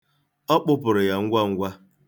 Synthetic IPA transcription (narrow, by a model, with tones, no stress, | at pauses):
ɔ˦k͡pʊ˦pʊ˨ɾʊ˨ja˨ŋ̩˦ɡʷa˦ŋ̩˦ɡʷa˦